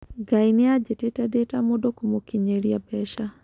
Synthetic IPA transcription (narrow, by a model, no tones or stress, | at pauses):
ɡainɪad͡ʒetetadetamodokomokiɲeɾiabɛʃa